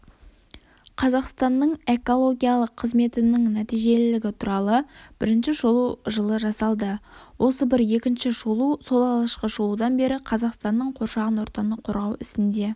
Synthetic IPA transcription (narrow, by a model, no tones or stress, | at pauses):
qʰɑzɑqst̪ɑnːəɴe̞ko̞lˠo̞ɡʲijɑlˠəqʰːəzme̞t̪ɪnɪŋnæt̪ijʒe̞lɪlɪɡʲɪt̪ʰuɾɑlˠəb̥ɪɾɪnʃɪʒolˠuʒəlˠəʒɑsɑlˠd̪əwʔo̞səbɪɾje̞kʲɪnʃɪʒolˠuso̞lˠɑlˠɑʃqəʒolˠud̪ɑnbe̞ɾɪqʰɑzɑqst̪ɑnːəɴqʰo̞ɾʃɑʁənwo̞ɾt̪ɑnəqʰo̞ɾʁɑwɪst̪ɪnd̪e̞